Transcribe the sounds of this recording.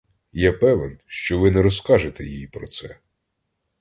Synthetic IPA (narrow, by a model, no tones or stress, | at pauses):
japɛʋɛnʃt͡ʃɔʋɪnɛɾɔskɑʒet̪ɛjijipɾɔt̪sɛ